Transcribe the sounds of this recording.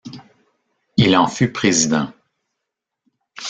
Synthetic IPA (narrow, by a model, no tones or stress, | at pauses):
ilɑ̃fypʁezid̪ɑ̰̃